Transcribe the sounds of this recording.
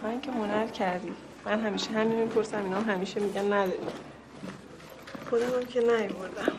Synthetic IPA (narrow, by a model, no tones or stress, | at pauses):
ɒiŋcʰemonæɾcʰæɾd̪i | mænɦæmiːʃeɦæmimipʰo̞ɾsæminɒmɦæmiːʃemiɟænːæd̪ɒɾi | xod̪æmæmcʰenæjoboɾd̪æm